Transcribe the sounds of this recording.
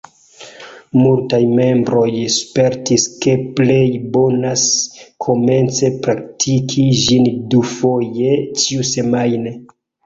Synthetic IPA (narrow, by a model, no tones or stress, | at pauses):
multajme̞mbɾo̞jspe̞ɾtiske̞plejbo̞naskʰo̞me̞nt͡se̞pɾak̚tʰikʰiʒindufoje̞t͡ʃiuse̞majne